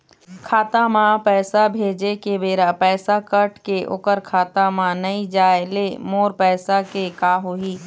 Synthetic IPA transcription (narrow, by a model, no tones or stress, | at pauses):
kʰaːt̪amãpɛːsabʱeːd͡ʒekebeːɾapɛːsakəʈkeʔo̰kəɾkʰaːt̪amãnəĩd͡ʒaːelemoːɾpɛːsakekaːɦoːɦiː